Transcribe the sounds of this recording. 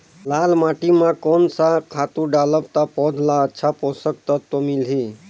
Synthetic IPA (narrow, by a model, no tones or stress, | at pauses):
lalmaʈimãkonsakʰat̪ũɖaləpt̪apɔd̪ʱlaətːʃʰaposək̚t̪ət̪omilɦi